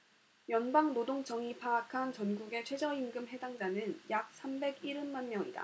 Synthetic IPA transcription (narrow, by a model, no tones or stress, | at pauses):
jʌnbaŋnodoŋt͡ɕʰʌŋipʰaːkʰant͡ɕʌnɡuɡe̞t͡ɕʰwe̞d͡ʑʌimɡɯmɦe̞daŋd͡ʑanɯnjak̚s͈ʰambe̞ɡiɾɯnmanmjʌŋida̰